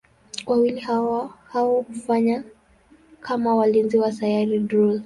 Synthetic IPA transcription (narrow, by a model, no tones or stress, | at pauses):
wʔawilihahawɔkufaɲa | kʰamawalinziwasajaɾidɾul